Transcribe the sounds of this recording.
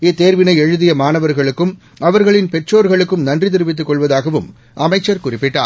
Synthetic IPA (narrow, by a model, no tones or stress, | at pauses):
ɪt̪ːeːɾʋɪnɐɪɛɻɯðɪjɐmaːnɐʋɐɾɣɐɭɯkːɯm | ɐʋɐɾɣɐɭɪnpɛʈroːɾɣɐɭɯkːɯmnɐndrɪt̪ɪɾɯʋɪt̪̬ːɯkːɔɭʋɐðaːɣɐʋɯm | ʔɐmɐɪt͡ʃːɐɾkʊrɪpːɪʈːa̰ː